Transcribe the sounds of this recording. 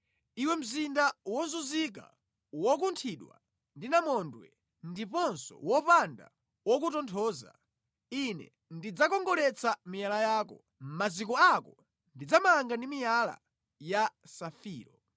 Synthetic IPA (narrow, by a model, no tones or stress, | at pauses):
iwɛm̩zindawɔzuzik̬a̰ | wɔk̬untʰiɗwa̰ | ndinamɔndwɛ̰ | ndipɔnsɔ̰wɔpanda̰ | wɔk̬utɔntʰɔːza̰ | inɛ̰ | ndid͡zakɔŋɡɔɾɛt͡sʰamijalajaːkɔ | mazikɔakɔ | ndid͡zamaŋɡandimijala̰ | jasafiːɾɔ